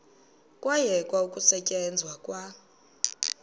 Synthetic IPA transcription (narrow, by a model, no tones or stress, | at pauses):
kʼwajɛkʼwaukʼusɛcʼɛnd͡zʱwakʼwa